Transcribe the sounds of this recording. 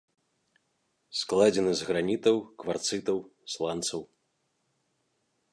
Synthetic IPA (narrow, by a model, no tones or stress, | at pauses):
sklˠad͡zʲɛnɨzɣɾanʲit̪ɐwkvart̪sɨt̪ɐwslˠant̪sɐw